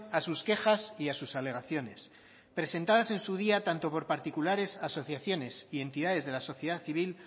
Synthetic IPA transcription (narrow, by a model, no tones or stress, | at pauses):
asuske̞xasiasusale̞ɣ̞aθjo̞ne̞̰s | pɾe̞se̞nt̪að̞ase̞nsuð̞iat̪ant̪o̞po̞ɾpaɾt̪ikulaɾe̞saso̞θjaθjo̞ne̞sie̞nt̪iðaðe̞zðe̞laso̞θjeð̞aθiβ̞il